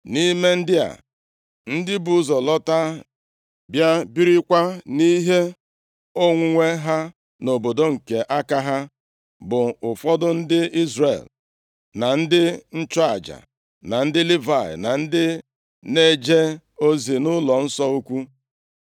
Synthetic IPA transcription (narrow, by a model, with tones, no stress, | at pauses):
ni˦me˦n̩˦dɪ˦a̰˨ | n̩˦dɪ˦bʊ˨ʊ˦zɔ˨lɔ˦ta˦ | bja˦bi˦ɾi˦kʷa˦ni˦ɦe˦ | o˦ŋʷʊ˨ŋʷe˦ɦa˦ | no˨bo˨do˦ŋ̩˨ke˨ʔa˦ka˦ɦa˦ | bʊ˨ʊ˨fɔ˦dʊ˦n̩˦dɪ˦i˦zɾḛ˨l | na˨n̩˦dɪ˦n̩˦t͡ʃɔ˦a̰˨d͡ʒa̰˨ | na˨n̩˦dɪ˦li˦va̰˨na˨n̩˦dɪ˦ | ne˦d͡ʒe˦ | o˦zi˨nʊ˦lɔ˨n̩˦sɔ˦u˦kʷu˦